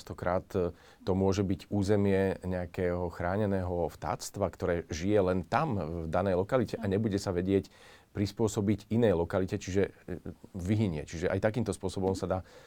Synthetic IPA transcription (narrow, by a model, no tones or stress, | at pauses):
st̪ɔkɾaːt̪ː | ɔmʊɔʒɛbiɟuːzɛmɪɛɲɛakɛːɦɔxɾaːɲɛnɛːɦɔft̪a̰ːt͡st̪ʋakt̪ɔɾɛːʒijɛlɛnt̪amvd̪anɛjlɔkalicɛʔaɲɛbuɟɛsaʋɛɟɪɛc | pɾispʊɔsɔbiɟinɛjlɔkalicɛt͡ʃiʒɛ | ʋiɦiɲɪɛ̰t͡ʃiʒɛʔa̰jt̪akiːmt̪ɔspʊɔsɔbɔmsad̪aː